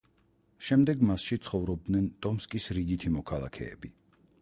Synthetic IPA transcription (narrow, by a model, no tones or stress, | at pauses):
ʃɛmd̪ɛɡmasʃit̪sʰχɔvɾɔb̚d̪nɛnt̪ʼɔmskʼisɾiɡit̪ʰimɔkʰalˠa̰kʰɛ̰ːbi